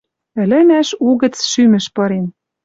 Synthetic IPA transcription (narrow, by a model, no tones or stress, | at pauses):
ɘ̆lɘ̆mæʃuɣə̆t͡sʃymɘ̆ʃpɤ̆ɾen